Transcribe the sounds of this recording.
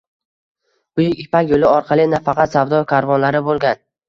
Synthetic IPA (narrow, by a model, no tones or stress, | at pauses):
bʊjɪkʲɪpakʲjolɪɒɾqʰɑlˠɪnafɑqʰɑt̪savd̪ɒkʰaɾvɒnlaɾɪbolˠɡʲan